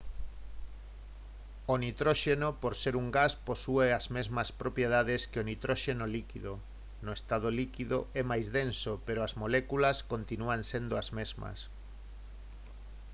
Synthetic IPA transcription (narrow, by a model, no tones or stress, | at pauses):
onit̪ɾoʃenopoɾseɾuŋɡasposueɐzmezmɐspɾopjeðaðeskeonit̪ɾoʃenolikiðo | noest̪að̞olikiðo̰ɛmajzðensopeɾoɐzmolekulɐskont̪inuansend̪oɐzmezmɐ̰s